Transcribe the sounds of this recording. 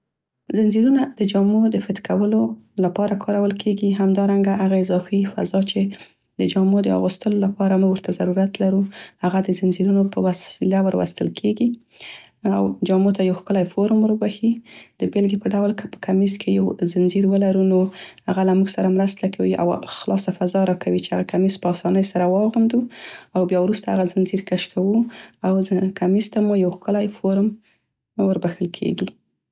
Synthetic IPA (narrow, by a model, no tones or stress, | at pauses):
zanziɾunad̪̥əd͡ʒɑmod̪əfɪt̪kʰawəlolapɑɾakʰɑɾawəlkʰeɡiɦamd̪ɑɾaŋɡahaɣaɪzɑfifa̰zɑt͡ʃe | d̪̥əd͡ʒɑmod̪əɑ̰ɣust̪əlolapɑɾamuɡwəɾt̪azaɾuɾat̪laɾuhaɣad̪əzɪnziɾunopəwasilawəɾwa̰st̪əlkʰeɡi | a̰wd͡ʒɑmot̪ajawxkəlajfoɾmɾəbaxid̪̥əbelɡipəɖawlkəpə̥kʰamizkʰejawzɪnziɾwəlaɾunohaɣalamuɡsaɾamɾəst̪akʰawiʔa̰wxlɑsafazɑɾɑkʰawit͡ʃeaɣakamispəɑsɑnəjsaɾawɑɣand̪uawbjɑwɾust̪aa̰ɣazɪnziɾkaʃkʰawuawkʰamizt̪amujawxkəlajfoɾəm | wəɾbaxəlkʰḛɡi